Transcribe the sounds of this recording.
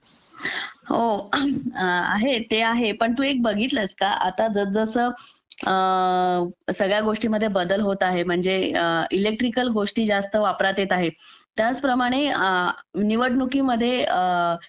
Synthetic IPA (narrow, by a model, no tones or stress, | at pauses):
ɦo | a̰ɦet̪eaɦepəɳt̪uːek̚bəɡʱiːt̪ləskaʔa̰t̪ad͡zəd͡zəsə | səɡɭjaɡoʂʈiːməd̪ʱjebəd̪əlɦot̪aɦem̤əɳd͡zeilek̚ʈɾikəlɡoʂʈiːd͡zast̪əʋapɾat̪et̪aɦet̪jat͡spɾəmaɽ̃e | niʋəʈnukiːməd̪ʱːje